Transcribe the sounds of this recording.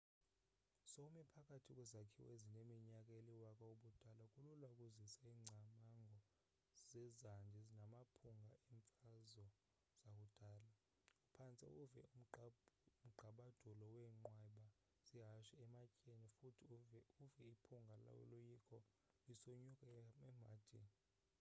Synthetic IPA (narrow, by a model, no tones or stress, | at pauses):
sɔumɛpʰakʼatʰikʼwɛzakʰiwezinemiɲakʼaeliwakʼauɓud̥ʱalakʼululaukʼuzisaiːŋ͡ǀʱamaŋɡʱɔ | z̥ɛzand͡ʒʱɛzinamapʰuŋɡʱaiɱfazɔ | z̥ak̬ʼud̥ʱaːla | upʰant͡sʼḭʔuvɛum̩ | m̩ɡ͡ǃʱaɓad̥ʱulɔwɛŋ͡ǃwɛɓa | z̥iɦaʃɛɛmacʼenifutʰiuvɛipʰuŋɡʱala̰lujikʰɔ | lisoɲukʼaɛmad̥ʱini